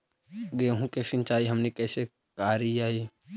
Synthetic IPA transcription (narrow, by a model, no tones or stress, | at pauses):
ɡeɦũkesɪ̃nt͡ʃaːiɦɐmnekɛːse | kaːɾijaːi